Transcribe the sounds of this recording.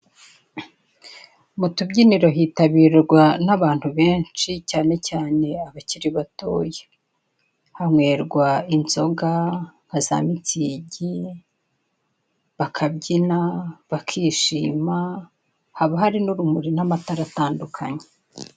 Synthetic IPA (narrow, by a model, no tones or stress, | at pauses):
mutubɟiniɾo̞ɦiːtaβiːɾɡwanaβaːn̥huβe̞ːnt͡ʃicaːne̞caːne̞aβaciɾiβato̰ːje | hamŋwe̞ːɾɡwainzo̞ɡaŋɡ̥aza̰ːmit͡siɟi | βakʰabɟinaβakʰiːʃiːma | haβaɦaɾinuɾumuɾinamataɾataːndukʰaɲe̥